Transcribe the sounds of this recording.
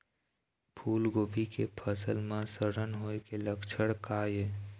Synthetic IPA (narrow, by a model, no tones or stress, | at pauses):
pʰuːlɡoːbʱikepʰəsəlmãsəɾənɦoːekeləkt͡ʃʰəɽkaːje